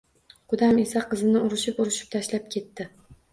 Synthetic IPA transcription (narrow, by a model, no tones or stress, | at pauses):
qʰʊd̪ame̞saqɨzɪnɪʊɾɪʃɪpʊɾɪʃɪ̥p̚t̪ʰaʃlap̚kʲʰe̞t̪ːɪ